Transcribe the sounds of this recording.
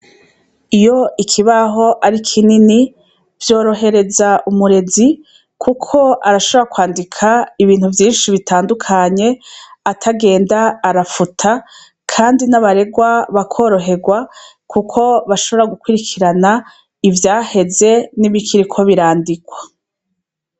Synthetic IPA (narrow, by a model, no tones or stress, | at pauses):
ijo̞ikʰiβaɦo̞ʔaɾikʰinini | vjo̞ːɾo̞ɦe̞ɾe̞zaʔumuɾe̞zi | kʰukʰo̞aɾaʃoβoɾakwaːndikʰaiβiːn̥huvjiːnʃiβitaːndukʰaɲe̞atʰaɡe̞ːndaːɾafutʰa | kʰaːndinaβaɾe̞ɡwaβakʰo̞ːɾo̞ɦe̞ɡwa | kʰukʰo̞βaʃo̞βo̞ɾaɡukwiɾikʰiɾana | ivjaːhe̞ze̞niβikʰiɾikʰo̞βiɾaːndiɡwa